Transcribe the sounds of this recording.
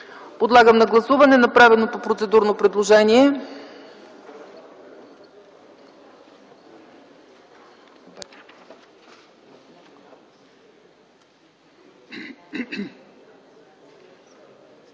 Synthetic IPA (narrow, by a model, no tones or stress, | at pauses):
pod̪lˠaɡəmnɐɡlˠɐsuvɐnɛnɐpɾavɛlˠnopopɾot̪sɛd̪uɾnopɾɛd̪lˠoʒɛniɛ